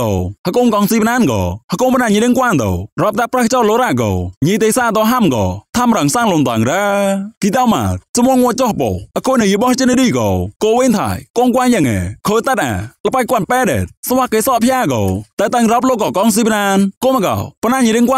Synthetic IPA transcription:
ɔ̰˨həkoː˧nkɑ˧ŋsiː˧pnaː˧nkɔ˨˩hə˧ko˧mpə˨naː˧˩ɲi˨ɾi˧ŋkwaː˧nt̪o̰˨wrɔ˧p̚t̪a˧prə˧ht͡ɕɔ˧lo˧ɾaː˧ʔkɔ̰˨ɲi˧˨t̪e˧saː˧t̪ɔ˧ɦa˧mkɔ̰˨t̪ʰa˧mɾə˨ŋsa˧ŋlo˧nt̪a˨ŋɾə˧ki˧t̪a˧wma̰ː˨˩t̚t͡ɕɔmo˧əŋːu˧ət͡ɕo˧hpo̰˨ʔə˧˨ko˧nə˨ji˧ɓɔ˧ht͡ɕi˧˥ni˧ɗiː˧˨kɔ˨koː˧we˧˦nt̪ʰa̰ː˧˩jko˧ŋkwaː˧njaː˧˩ŋɛ̰ː˨kʰoː˧t̪ə˧˩t̪̚ʔa̰ː˨˩lə˨pa˧c̚kwənpɛː˧ɗɛ̰ː˨˩t̪̚swaː˧keː˧sɔː˧ʔpʰjaː˧kɔ˨t̪a˧t̪ə˧ŋrɔ˧p̬̚loː˧˨kːɔ˨˩kɔ˧ŋs̬iː˧pnaː˧nko˧ma˨kɔ̰˨˩pə˨naː˧ɲi˨ɾi˧əŋkwaː˧

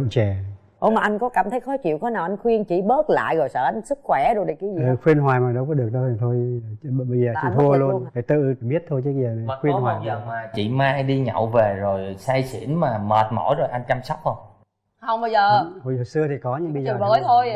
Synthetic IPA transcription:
t͡ɕɛ˨˩ | ʔo̰˨˦maː˨˩ʔa˧jŋ̟kɔ˨˦kaː˧˩mt̪ʰə˨˦jxɔ˨˦jt͡ɕḭ˧˨wkɔ˨˦naː˨˩wʔa˧ŋ̟xwi˧ənt͡ɕḭ˧˩ɓəː˦˥t̚la̰ː˧˨jzo˨˩jsə̰ː˧˨ʔa˧jŋ̟sɨ˦˥k̚xwɛ˧˩ɗʊ˧ɗə˨˩jka˨˦zi˨ɨ˨˩xwi˧ənɦwaː˨˩jmaː˨˩ɗə˧˦wkɔ˨˦ɗɨ˨˩ək̚ɗə˧˨˩t̪ʰo˧jɓə˧jzəː˨˩t͡ɕi˧˨t̪ʰu˧əlu˧ənfaː˨˩jt̪ɨ̰˧˨ɓi˦˥ət̚t̪ʰo˧jt͡ɕɨ˨˦ə˧zəː˨˩n˨˩˨xwi˧ənhwaː˨˩jmaː˨˩t͡ɕḭ˧˨maː˧jɗi˧ɲə̰˧˨wve˨˩zo˨˩jsaː˧jsḭ˧˩˥ənmaː˨˩məː˨˩t̚mo̰˧˩˥jzo˨˩jʔa˧jŋ̟t͡ɕa˧msɔ˦˥wk͡p̚ə˧˩ | hə˧wŋ͡mɓə˧jzəː˨˩ho˧˨jhə˨˩sɨ˧ət̪ʰi˨˩kɔ˨˦ɲɨ̰˧˥ŋɓə˧jzəː˨˩ə˨˦t̪ʰo˧j

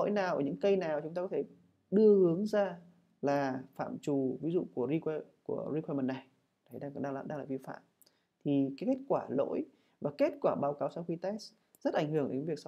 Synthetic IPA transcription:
o̰˧˥˦jnaː˨˩wʔəː˧˩ɲɨ̰˧˥ŋkə˧jnaː˨˩wt͡ɕʊ˨˦ŋ͡mt̪aː˧kɔ˨˦t̪e˧˩ | ɗɨ˧əhɨ˨˦əŋzaː˧ | laː˨˩fa̰ː˧˨mt͡ɕu˨˩vi˨˦zṵ˧˨ku˧˩əzi˧ku˧˩əzi˧kʰwɛ˧mə˨˩nːa˨˩j | na˨˩jɗaː˧˩ɗaː˧a˧˨˩ɗa̰ː˧ŋlaː˨˩vi˧fa̰ː˧˨m | t̪ʰi˨˩kaː˨˦jke˦˥t̚kwaː˧˩lo̰˧˥j | vaː˨˩ke˦˥t̚kwaː˧˩ɓaː˨˦wkaː˨˦wsa˧wxi˧t̪ɛ˦˥s | z̥ə˦˥t̚ʔa˧˩ŋ̟hɨ˧˩əŋɗe˨˦nvi˨˩əks

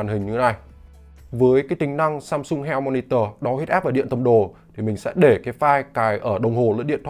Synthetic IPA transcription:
a˨˩nhï˨˩ŋ̟ɲɨ˧˨˦na˨˩j | vəː˨˦jkaː˨˦jt̪ï˨˦ŋ̟na˧ŋsaː˧msʊ˧ŋ͡mɦɛ˧wmɔ˧ni˧t̪əː˧ɗɔ˨˦hi˦˥t̚aː˦˥p̚vaː˨˩ɗḭ˧˨nt̪ə˧˩mɗo˨˩t̪ʰi˨˩mï˨˩ŋ̟sɛ̰˧˥ɗe˧˩ka˨˦jfaː˧jkaː˨˩jʔəː˧˩ɗə˨˩wŋ͡mho˨˩lə̰˧˥nɗḭ˧˨nt̪ʰw

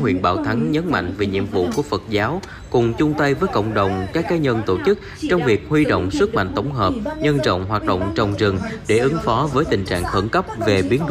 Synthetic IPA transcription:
ɦwḭ˧ənɓa̰ː˧˩wt̪ʰa˨˦ŋɲə˨˦nma̰˧˨ŋ̟ve˨˩ɲḭ˧˨əmvṵ˧˨ku˧˩əfə˨˩t̚zaː˨˦w | kʊ˨˩ŋ͡mt͡ɕʊ˧ŋ͡mt̪ə˧jvəː˨˦jkə̰˧˨wŋ͡mɗə˨˩wŋ͡mkaː˦˥kːaː˨˦ɲə˧nt̪o˧˩t͡ɕɨ˦˥k̚t͡ɕɔ˧wŋ͡mvi˨˩ək̚hwi˧ɗo̰˧˨wŋ͡mswɨ˦˥t̚ma̰˧˨ŋt̪ə˧˩wŋ͡mɦəː˨˩p̚ɲə˧nt͡ɕɔ̰˧˨wŋ͡mɦwaː˨˩t̚ɗo̰˧˨wŋ͡mt͡ɕ̚ɗə̰˧˨wŋ͡mzɨ˨˩ŋɗe˧˩ʔɨ˨˦ŋfɔ˨˦vəː˨˦jt̪ï˨˩ŋ̟t͡ɕa̰ː˧˨ŋxə˧˩nkə˦˥p̚ve˨˩ɓi˨˦ənɗ

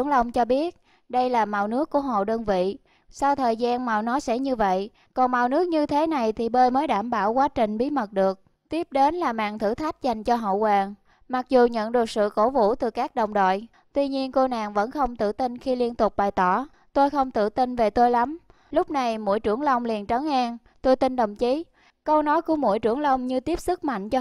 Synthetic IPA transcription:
əŋlə˧wŋ͡mt͡ɕɔ˧ɓi˦˥ət̚ | ɗə˧jlaː˨˩ma˨˩wnɨ˦˥əkːu˧˩əɦo̰˧˨ɗəː˧nvḭ˧˨ | sa˧wt̪ʰəː˨˩jzaː˧nma˨˩wnɔ˨˦sɛ̰˧˥ɲɨ˧və̰˧˨j | kɔ˨˩nma˨˩wnɨ˦˥ək̚ɲɨ˧t̪ʰe˨˦na˨˩jt̪ʰi˨˩ɓəː˧jməː˨˦jɗaː˧˩mɓaː˧˩wkwaː˨˦t͡ɕï˨˩ŋ̟ɓi˨˦mə˨˩t̚ɗɨ˨˩ək̚ | t̪i˦˥əp̚ɗe˨˦nlaː˨˩ma̰ː˧˨ŋt̪ʰɨ̰˧˩t̪ʰa˦˥jk̟̚za˨˩jŋ̟t͡ɕɔ˧ɦə̰˧˨kwaː˨˩ŋ | ma˨˩k̚zu˨˩ɲə̰˧˨nɗɨ˨˩ək̚sɨ̰˧˨ko˧˩vṵ˧˥˨t̪ɨ˨˩kaː˦˥k̚ɗə˨˩wŋ͡mɗo̰˧˨j | t̪wi˧ɲi˧ənko˧na̰ː˨˩ŋvə̰˧˥nxə˧wŋ͡mt̪ɨ̰˧˨t̪i˧nxi˧li˧ənt̪ʊ˨˩k͡p̚ɓaː˨˩jt̪ɔ˧˩ | t̪o˧jxə˧wŋ͡mt̪ɨ̰˧˨t̪i˧nve˨˩t̪o˧jla˨˦m | lʊ˦˥k͡p̚na˨˩jmṵ˧˩əjt͡ɕɨ˧˩əŋlə˧wŋ͡mli˨˩ənt͡ɕə˨˦nʔaː˧ŋ | t̪o˧jt̪i˧nɗə˨˩wŋ͡mt͡ɕi˨˦ | kə˧wnɔ˨˦jku˧˩əmu˧˩əjt͡ɕɨ˧˩əŋlə˧wŋ͡mɲɨ˧t̪i˦˥əp̚sɨ˦˥k̚ma̰˧˨jŋ̟t͡ɕɔ˧

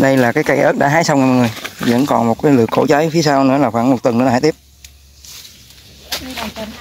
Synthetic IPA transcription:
ɗə˧jlaː˨˩kaː˨˦jka˧˩jʔə˦˥t̚ɗa̰ː˧˥˦ɦaː˧˦jsa˧wŋ͡mŋa˨˩m˨˩jŋɨ˨˩əjvə̰˧˥nkɔ˨˩nmo˨˩t̚kaː˨˦jlɨ̰˨əkːo̰˧˥t͡ɕaː˨˦jfi˨˦əsa˧wnɨ̰˧˥əlaː˨˩xwaː˧˩ŋmo˨˩t̚t̪wə˨˩nɨ˧˥˧aː˧˦t̪i˦˥p̚

